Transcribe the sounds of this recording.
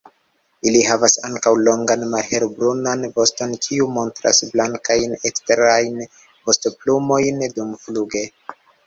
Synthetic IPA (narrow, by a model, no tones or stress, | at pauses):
iliɦavasaŋkawlo̞ŋɡanmalhe̞ɾbɾunanvo̞sto̞nkʰiumo̞ntɾa̰sblaŋkajnekste̞ɾajn | vo̞stoplumo̞jndumfluɡe̞